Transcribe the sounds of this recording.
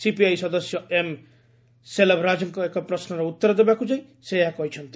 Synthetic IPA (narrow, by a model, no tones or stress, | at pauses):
sipiajsɔd̪ɔsjɔem | selabɾad͡ʒɔŋkɔekɔpɾɔsnɔɾɔut̪ːɔɾɔd̪ebakud͡ʒaj | seeɦakɔɦit͡ʃʰɔnt̪i̥